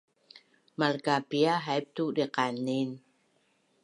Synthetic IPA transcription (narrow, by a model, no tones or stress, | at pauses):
malkapiaɦajp̚t̪udiqanin